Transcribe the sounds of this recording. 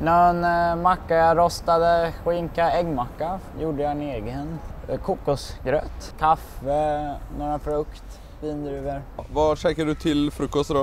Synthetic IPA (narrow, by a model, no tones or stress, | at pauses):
nɔnmakːajaɾɔst̪ad̪əɧɪŋkaɛɡmakːajuːɖəjaɪneːɡənkʰuːkːʊsɡɾøːt̪kʰafənoːɾafɾɵkt̪ | viːnd̪ɾʉːvəɾvaʂɛkːəɖɵt̪ʰɪlfɾɵkːɔst̪ɾɔ